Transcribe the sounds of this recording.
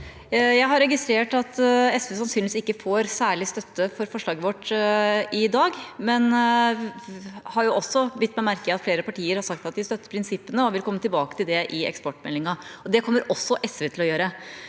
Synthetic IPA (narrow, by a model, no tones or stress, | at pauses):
jæɪɦɑɾːɛɡɪst̪ɾeːʈɑt̪ɛsʋeːsɑnsyːnʋɪsɪkːəfoːɾsæːɭɪst̪œt̪ːəfɔɾfɔʂɭɑːɡəʋɔʈː | ɪd̪ɑːɡmɛn | hɑɾjʊʔɔsːɔbɪt̪ːmɛmæɾkəɑt̪fleːɾəpɑʈʰiːəɾhɑɾʂɑkt̪ɑt̪̚d̪ɪst̪œt̪ːə̥ɾpʰɾɪnsɪpːənəɔʋɪlkʰɔmːət̪ɪlbɑːkə̥t̪ɪld̪ɛʔɪɛ̰kspɔʈːmɛ̰lːɪŋɑɔd̪ɛkʰɔmːəɾɔsːɔʔɛsʋeːt̪ʰɪlɔjøːɾə